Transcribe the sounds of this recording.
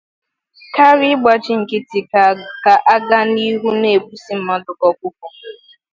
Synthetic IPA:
ka˦ɾɪ˦ɡ͡ba˨t͡ʃɪ˦ŋ̩˨kɪ˦ti˨kka˨ʔa˦ɡa˦ni˦ɦu˦ne˨bu˦si˦m̩˨ma˦dʊ˨kɔ˨kʷu˦k̚u˨

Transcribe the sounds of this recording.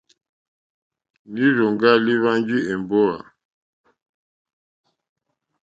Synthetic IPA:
ni˦ɾo˨ŋɡa˦li˦βa˦nd͡ʒi˦ɛ˨m˨bɔ˦a̰˨

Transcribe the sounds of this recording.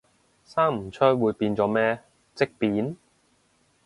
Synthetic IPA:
saː˥ŋm̩˨˩t͡ʃʰœː˥wuː˨˧jpiː˧nt͡sɔː˨˥mɛː˥ | t͡sɪ˥k̚piː˨˥n

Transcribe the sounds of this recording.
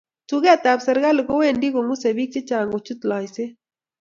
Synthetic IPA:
tu˦ɡɛ˦˨t̪a˨psɐ˨ɾɡa˦lɪ˨ko˦we˦ndi˦ko˨ŋʊ˦se˨bi˦k̚t͡ʃɪ˦t͡ʃa˨ŋo˨t͡ʃu˦t̪la˨jsɪ˦

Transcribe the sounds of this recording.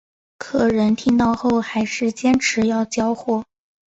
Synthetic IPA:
kʰɤ˥˩ɻə˧˥nt̪ʰi˥ŋt̪ɑ˥˧ʊxo˥˩ʊxa˧˥ɪʂɻ̩˥˩t͡ɕjɛ˥nʈ͡ʂʰɻ̩˧˥jɑ˥˩ʊt͡ɕjɑ˥ʊxwɔ˥˩

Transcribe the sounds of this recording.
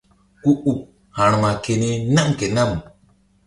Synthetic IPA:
u˦ʔu˨ | hã˨ñma˨ke˨ne˦na˦mke˨na˦m

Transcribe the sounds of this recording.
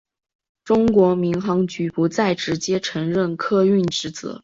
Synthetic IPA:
ʈ͡ʂʊ˥ŋkwɔ˧˥mi˧˥ŋxɑ˧˥ŋt͡ɕy˧˥pu˧˥t͡sa˥˩ɪʈ͡ʂɻ̩˧˥t͡ɕjɛ˥ʈ͡ʂʰɤ˧˥ŋɻə˥˩nkʰɤ˥˧y˥˩nʈ͡ʂɻ̩˧˥t͡sɤ̰˧˥˦

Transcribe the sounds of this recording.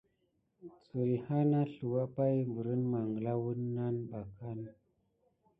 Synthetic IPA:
t͡su˨i˨ha˦na˦ɬu˨wa˦pa˦jvu˨ɾə˦nma˨ŋɡə˨la˦wu˦nːa˦nɓa˨ka˦n

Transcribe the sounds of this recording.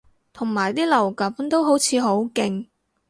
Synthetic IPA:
t̪ʰʊ˨˩ŋmaː˨˩jt̪iː˥lɐ˨˩wkɐ˨˥mt̪o˥wɦo˨˥wt͡sʰiː˨˧ɦo˨˥wkɪ˧ŋ

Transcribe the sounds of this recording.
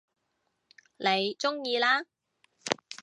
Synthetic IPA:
le˨˧jt͡sʊ˥ŋjiː˧laː˥

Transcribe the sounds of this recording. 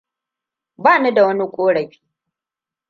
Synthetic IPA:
baː˦˨nu˦da˨wɐ˦ni˦kʷʼoː˦ɽɐ˨ɸi̥ː˦

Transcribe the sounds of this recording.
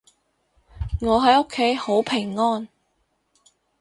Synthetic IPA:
ŋɔː˨˧ɦɐ˨˥jo˥kʰːe˨˥jho˨˥wpʰɪ˨˩ŋːɔː˥n

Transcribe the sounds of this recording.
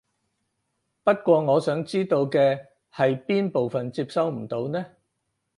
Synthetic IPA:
pɐ˥t̚kʷɔː˧ŋɔː˨˧sœː˨˥ŋt͡siː˥t̪o˧wkɛː˧ | hɐ˨jpiː˥npo˨wfɐ˨nt͡siː˧p̚sɐ˨˥wm̩˨˩t̪o˨˧wnɛː˥

